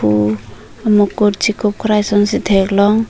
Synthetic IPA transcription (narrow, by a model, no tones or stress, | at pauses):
u | amɔkuɾt͡ʃʰikʰɔp̚kʰɔɾajsɔnsitʰeklɔŋ